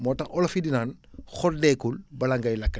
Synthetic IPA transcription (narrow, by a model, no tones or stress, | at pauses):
moːtɐʔɔlɐfidinaːn | xɔldeːkulbɐlɐŋɡɐjlɐkːɐ